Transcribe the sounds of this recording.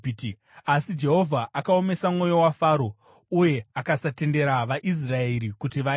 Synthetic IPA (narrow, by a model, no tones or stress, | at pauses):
t | asid͡ʒe̞ɦo̞vʱaʔakao̞me̞samŋo̞jo̞wafaːɾo̞ | uje̞akasate̞nde̞ɾaʋaʔis̬raeɾikutiʋa